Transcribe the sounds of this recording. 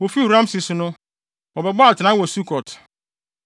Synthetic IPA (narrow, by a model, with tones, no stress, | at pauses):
wɔ˨fi˦hu˨ɾã˦m˦si˨sʊ˨nʊ̃˦ | wɔ˨bɛ˨bɔ˦a˨tʰɪ˨nã˦wɔ˨su˦kʰɔ˨tʰ